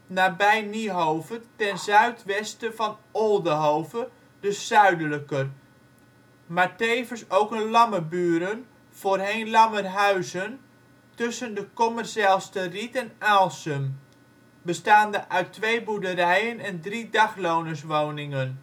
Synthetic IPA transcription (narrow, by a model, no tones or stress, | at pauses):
naːbɛjniɦowvətɛnzœɥtʋɛstəvɑnolˠdəɦowvə | d̥əsœɥdələkər | maːɹtejvənsowkənlɑməbyːɾən | v̥oːrɦejnlɑmərɦœɥzən | tɵsəndəkɔmərsalˠstəritɛnalˠsəm | bəstaːndəʔœɥtːʋejbudəɾɛjənɛndridɑχlownəsʋownɪŋən